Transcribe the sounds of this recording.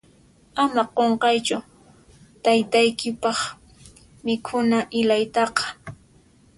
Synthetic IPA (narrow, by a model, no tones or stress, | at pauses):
amaqoɴqɑjt͡ʃʊ | t̪ajt̪ajkɪpɑχ | mɪkʰʊnaʔɪlajt̪ɑqɑ̥